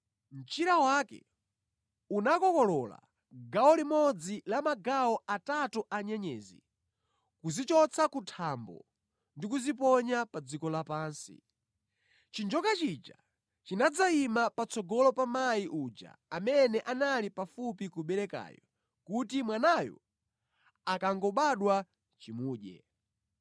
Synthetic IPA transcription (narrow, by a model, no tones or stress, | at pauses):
m̩t͡ʃiɾawaːkɛ̰ | unakɔkɔlɔla̰ | ɡawɔlimɔd͡zilamaɡaɔʔatatuʔaɲɛɲɛ̰ːzḭ | kuzit͡ʃɔt͡sʰakutʰambɔ̰ | ndikuzip̬ɔɲapad͡zikɔlapaːnsḭ | t͡ʃind͡ʒɔkat͡ʃid͡ʒa̰ | t͡ʃinad͡zaimapat͡sɔɡɔlɔpamaiʔud͡ʒa̰amɛnɛʔanalipafupikuɓɛɾɛka̰ːjɔ̰ | kutimwanajɔ̰ | akaŋɡɔɓaɗwa | t͡ʃimuːɗɛ̰